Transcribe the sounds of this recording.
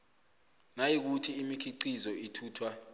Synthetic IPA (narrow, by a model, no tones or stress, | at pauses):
najik̬utʰiːmikʰiǀizɔitʰuːtʰwa